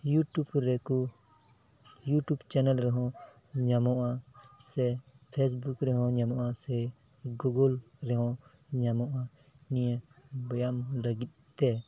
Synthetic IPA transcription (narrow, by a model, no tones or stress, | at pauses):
juʈubɾɛku | juʈubt͡ʃɛnəlɾɛɦɔ̃ | ɲamɔʔasɛ | pʰɛs̬bukɾɛɦɔ̃ɲamɔʔasɛ | ɡuɡɔlɾɛɦɔ̃ | ɲamɔʔa | nijɛbɔjamlaɡit̪̚t̪ɛ